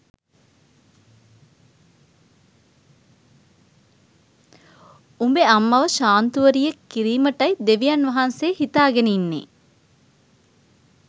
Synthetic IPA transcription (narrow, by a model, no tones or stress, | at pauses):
umbeɐmːɐʋəʃaːnt̪uʋəɾijekːiɾiːməʈɐid̪eʋijɐnʋɐɦɐnseːhit̪aːɡeninːḛ